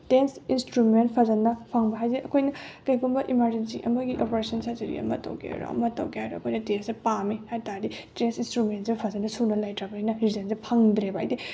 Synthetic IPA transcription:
densinstɾument̚pʰɐzɐnːɐpʰɐŋbɐɦajzeʔɐkʰojnɐkɐjɡunbɐʔimaɾd͡ʒensḭʔɐ̰mɐɡiʔopoɾesɐnsazɐɾḭɐ̰mɐ̰tɐ̰wkḛɾo̰ɐ̰mɐtɐ̰wkiajɾoɐ̰kʰojnɐtensepamihajtaɾdi | densinstɾumentsepʰɐzɐnːɐsunɐlajtɾɐbaijnɐɾizɐnsepʰɐŋdɾeba̰jdi

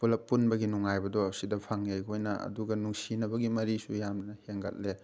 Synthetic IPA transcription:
pulɐpːunbɐɡinuŋajbɐdɔːsidɐpʰaŋjejɡojnɐɐ̰duɡɐnuŋsinɐbɐɡimɐɾisujamnɐheŋɡɐ̰t̚le

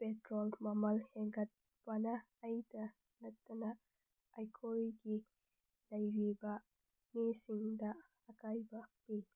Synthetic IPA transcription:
petɾolmɐmɐlheŋɡɐt̚ | pɐnɐː | jtɐ | lɐk̚tːɐnɐ | ajkʰojɡi | lɐjɾibɐ | mesiŋdɐ | ɐkajbɐpi

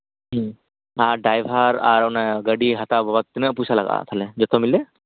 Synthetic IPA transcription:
ɦ̩ | aɖajbʱaɾa̰ɹɔnaɡəɖiɦat̪abʱɔbat̪ːinəpujsʰalaɡa̰t̪ʰalɛd͡ʒɔt̪ʰɔmilɛ

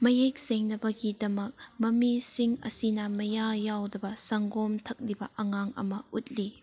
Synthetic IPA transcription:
mɐjejk̚seŋnɐbɐɡidɐmɐk̚mɐmisiŋɐ̰sinɐmɐjajawdɐbɐsɐŋɡomtʰɐk̚libɐʔɐŋaŋɐ̰mɐut̚li

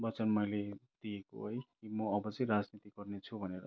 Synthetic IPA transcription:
bʌt͡sʌnmʌjled̪̥ijeko̰ɦʌjkimʌːbʌt͡sʌj̃ɾad͡znit̪iɡʌrnet͡sʰubʱʌneɾʌ

